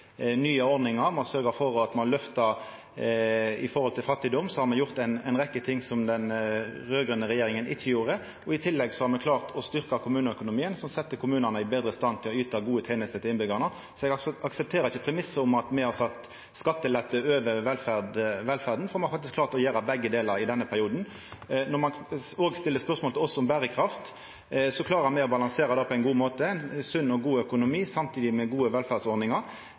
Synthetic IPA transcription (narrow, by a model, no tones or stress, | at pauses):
nyːəɔɾd̪nɪŋɑɾmɑsœɾɡəfɔɾɔɑt̪mɑnlœft̪ɑ | ɪ̰fɔɾhɔlt̪ʰɪlfɑt̪ːɪd̪ɔmsɔhɑɾmɛjʊɾt̪æɪnɛ̰ɪnʁɛkːət̪ʰɪŋːsɔmd̪ɛnʁøːɡʁʉnəɾɛjeːɾɪŋənʔɪt̪ʰəjuːɾə | ɔɪt̪ʰɪlːɛɡsɔhɑɾmɛkʰlɑːʁt̪ʰɔst̪ʏʁkɑkʰʊmʉːnəœkʊnʊmiːənsɔmsɛt̪ːəkʰʊmʉːnənəɪbeːd̪ɾəst̪ɑnt̪ʰɪlɔyːt̪ɑɡuːət̪ʰeːnəst̪ət̪ɪlɪnbʏɡɑnə | sɔɛɡɑksɛp̚t̪ʰeːɾəɪçəpʰɾɛmɪsːəʊmɑt̪mɛɪhɑɾsɑt̪ː | skɑt̪ːəlɛt̪ːəøːʋəɾʋɛlfæd̪ʋɛlfæʁd̪n̩fɔɾmɛhɑɾfɑkt̪ɪsklɑːɾt̪lɔjeːɾɑbɛɡːəd̪eːlɑɾɪd̪ɛnːəpʰæɾɪuːd̪n | nɔmɑnoːɡst̪ɪlːəspœʁsmɔlt̪ɪlɔsːɔʊmbæːɾəkʰɾɑft̪ | sɔkʰlɑːɾəmæɪɔbɑlɑŋseːɾɑd̪ɑːpʰɔɛɪnɡuːmoːt̪əæɪnsʉnːɔɡuːœkʊnʊmiːsɑmt̪ʰiːd̪ɪmɛɡuːəʋɛlfæd̪sɔɾnɪŋɑɾ